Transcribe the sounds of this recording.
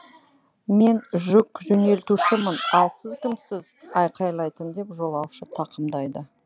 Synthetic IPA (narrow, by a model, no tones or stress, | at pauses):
me̞nʒʊkʒɵne̞lt̪uʃɪmənɑlˠsəzkʲʰɪmsɪzɑjqʰɑjlˠɑjt̪ənd̪e̞pʒo̞lˠɑwʃət̪ʰɑqəmd̪ɑjd̪ə